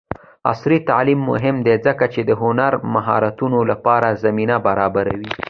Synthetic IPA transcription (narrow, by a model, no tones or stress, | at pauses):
a̰sɾit̪aʕlimːʊ̰ɦɪmd̪ezəkat͡ʃed̪əɦʊnaɾmaɦɑ̰ɾat̪unolapɑɾazaminabaɾɑbaɾawi